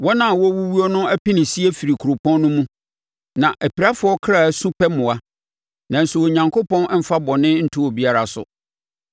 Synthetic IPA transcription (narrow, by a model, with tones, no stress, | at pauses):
wɔ˦nã˦˨wɔ˦wu˦wu˦ɔ˦nʊ̃˦æ˦pĩ˦nɪ̃˨si˦æ˦fi˨ɾi˨kʰu˨ɾo˨pʰɔ̃˦nːʊ̃˦mũ˦ | nã˨ʔæ˨pi˨ɾa˦fʊ˨˦ɔ˦kʰɾa˨sũ˦pʰɛ˦mʊ̃˨a˨˦ | nã˨n̩˨sʊ˨wɔ˨ɲã˨ŋkʰo˦pɔ̃˦n˦m̩˦fa˦bɔ˨nɪ̃˦n̩˦tʰu˦wɔ˨bi˦a˦ɾa˨sʊ̰˨